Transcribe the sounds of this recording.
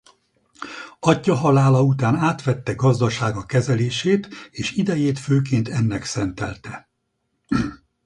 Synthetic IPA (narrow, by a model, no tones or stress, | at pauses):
ɒcːɒɦɒlaːlɒut̪aːnaːt̪ʋɛt̪ːɛɡɒzd̪ɒʃaːɡɒkɛzɛleːʃeːt̪eːʃid̪ɛjeːt̪føːk̬eːnt̪ɛnːɛksɛnt̪ɛ̰lt̪ɛ